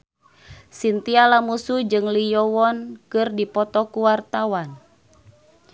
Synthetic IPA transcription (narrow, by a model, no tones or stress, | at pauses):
sint̪ialamusud͡ʒɨŋlijɔwɔnkɨrdipɔt̪ɔkuwart̪awan